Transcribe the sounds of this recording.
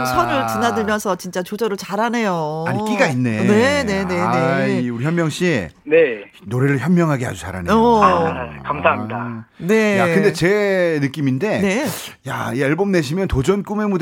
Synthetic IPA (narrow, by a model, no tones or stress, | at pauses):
sʰʌɾɯɭt͡ɕinadɯɭmjʌnsʰʌt͡ɕint͡ɕ͈at͡ɕod͡ʑʌɾɯɭt͡ɕaɾane̞joaɲik͈iɡainːe̞ne̞ne̞ne̞eiuɾiçjʌnmjʌŋɕ͈iḛne̞ | noɾe̞ɾɯɭçjʌnmjʌŋɦaɡeɦa̰d͡ʑut͡ɕa̰ɾa̰ne | kamsʰaɦamidane̞jakɯnde̞t͡ɕe̞nɯk͈iminde̞neja̰ieɭbomne̞ɕʰimjʌntod͡ʑʌnk͈ume̞mud